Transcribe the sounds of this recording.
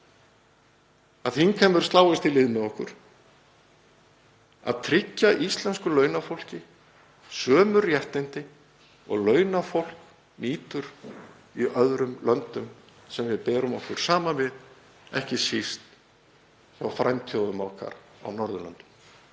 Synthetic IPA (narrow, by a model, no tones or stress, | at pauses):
aðθinkʰɛmʏɾ̥st̪aːwɪst̪ɪlɪðmɪɔhkʏɾ̥ | a̰ðt̪ʰɾɪcːaʔist̪lɛnskʏlœːɥnafowl̥cɪ | sœːmʏɾjɛht̪ɪnt̪ɪ | ɔ̰ɣlœːɥnafowl̥k | niːt̪ʏɾ̥ | iʔœðɾʏmlœnt̪ʏm | sɛmvɪðpɛːɾʏmɔhkʏɾ̥saːmavɪð | ɛ̰hcɪsist̪ | θawfɾajmt̪ʰjowðʏmawkʰa̰ɾa̰wnɔɾðʏlœ̰nt̪ʏ̥m